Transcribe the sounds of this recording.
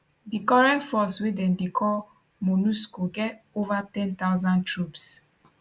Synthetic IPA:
dikɔɹɛ̃ntfɔswedɛ̃ndekʰɔl | monuskoɡɛtovatɛ̃ntaʊzãntɹups

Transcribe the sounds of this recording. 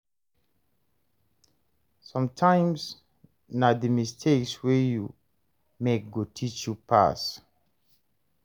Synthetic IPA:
sɔ̃mtʰãɪ̃ms | naðəmistʰekswɛju | mek̚ɡotʰit͡ʃjupʰa̰s

